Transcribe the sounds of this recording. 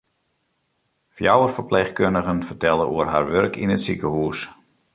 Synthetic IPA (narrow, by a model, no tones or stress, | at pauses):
fjawərfəɹpleːxkøndəɣənfətɛlˠəʔuərɦa̰ɹʋørkʰḭnətsikəhuːəs